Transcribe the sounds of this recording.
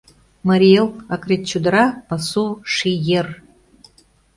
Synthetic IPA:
mɑɾʲielˠɑkret̪̚t͡ɕud̪ɾɑpɑsuʃijer

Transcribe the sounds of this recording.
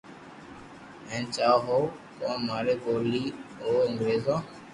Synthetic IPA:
ɛ̃ːnt͡ʃaːɦoːkõːmaːɾeːkoːliːoːə̃ŋɡɾeːzõː

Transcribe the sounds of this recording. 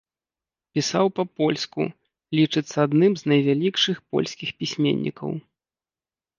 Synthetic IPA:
pʲisawpɐpɔlʲskṵ | lʲit͡ʂɨt̪sːɐad̪nɨmznɐjvʲalʲikʂɨxpɔ̰lʲsʲkʲixpʲisʲmʲḛnʲːḭkɐ̰w

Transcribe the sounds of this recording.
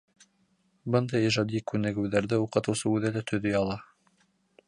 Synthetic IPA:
bɤnd̪ɑjiʒɑd̪ikʉnɘ̆ɡɘ̆wðæɾðɘuqɤ̆t̪ɤ̆wsɤʉðælæt̪ʰɵ̆ðɵjɑlˠɑ

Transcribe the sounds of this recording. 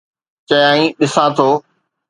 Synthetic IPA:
t͡ɕɐjãːĩɗɪsãt̪ʰoː

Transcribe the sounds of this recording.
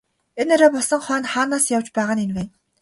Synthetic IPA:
eneɾeːpɔsə̆ŋχœːnχaːnaːsjawt͡ɕpæːʁaːnenwæːn

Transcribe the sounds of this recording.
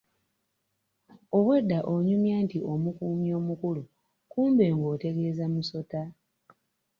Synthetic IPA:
o̞βwedːaʔoɲumjaːntio̞mukuːmjo̞ːmukulu | kuːmbe̞ːŋɡo̞ːte̞ɡe̞ːzamuso̞ta

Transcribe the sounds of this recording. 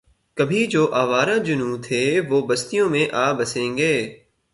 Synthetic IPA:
kəbʱid͡ʒoːʔaːʋaːɾãːd͡ʒʊnuːt̪ʰɦeːʋoːbɐst̪ijõmẽʔaːbɐsẽːŋɡeː

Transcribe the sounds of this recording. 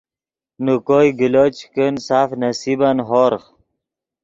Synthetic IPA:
nukojɡilot͡ɕkənsaːfnɐsibanɦoɾχ

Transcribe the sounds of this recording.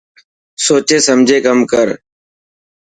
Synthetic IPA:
soːt͡ʃeːsəmd͡ʒʱeːkəmkəɾ

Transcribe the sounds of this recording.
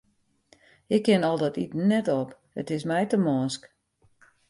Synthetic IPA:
ɪkʰːɪnɔlˠdɔtitnɛtɔp | ətɪsmɛjtəmɔːsk

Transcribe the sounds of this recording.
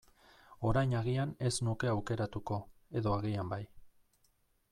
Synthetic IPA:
o̞ɾajɲaɣiane̞znuke̞awke̞ɾat̪uko̞e̞ðo̞aɣiambaj

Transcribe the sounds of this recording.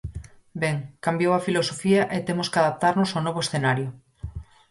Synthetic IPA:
bɛŋkambjowafilosofiaʔet̪emoskaðap̚t̪aɾnosawnoβ̞oesθenaɾjʊ

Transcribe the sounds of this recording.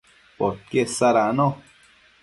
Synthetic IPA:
pot̪̚kesaɾano

